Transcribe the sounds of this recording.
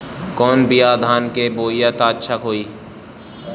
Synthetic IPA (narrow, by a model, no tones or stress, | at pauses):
kɔːnbʱijaːd̪ʱaːnkeboːjat̪aːtːʃʰakɦoːiː